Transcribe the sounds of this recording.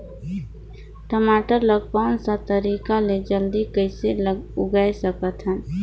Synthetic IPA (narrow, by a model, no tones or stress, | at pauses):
ʈəmaʈəɾləɡ̚pansə̃t̪əɾikaled͡ʒəld̪ikəɪseləɡʊɡajsəkət̪ɦən